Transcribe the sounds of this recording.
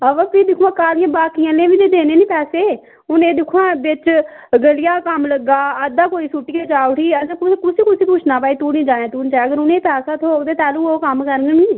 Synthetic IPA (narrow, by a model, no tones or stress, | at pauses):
əʋəːpiːd̪ɪkʰuãːkaːlɪjãːbaːkijãːlẽːʋĩːd̪eːd̪eːneːniːpɛːseː | ʊnẽːd̪ɪkʰːuãːʋɪt͡ʃɡəlɪjaːkəmləɡaːəd̪aːkoːiːsʊʈːiːkeːd͡ʒaːʊʈʰiːət͡ʃãːkʊskʊsiːkʊiːpʊt͡ʃʰnaːpaːiːt̪uːnĩːd͡ʒaːnẽːt̪uːnːt͡ʃaːəɡəɾʊnẽːpɛːsaːt̪ʰoːkd̪eːt̪ɛːlũːoːkəmkəɾənɡnĩː